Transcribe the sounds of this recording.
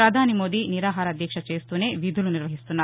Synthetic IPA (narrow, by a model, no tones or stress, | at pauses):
ɾɐd̪ʱaːnimo̞ːd̪iniɾaːɦaːɾɐd̪ʱjɐkʂɐt͡ʃeːst̪uːne̞ːʋid̪ʱuluniɾʋɐɦist̪unːaː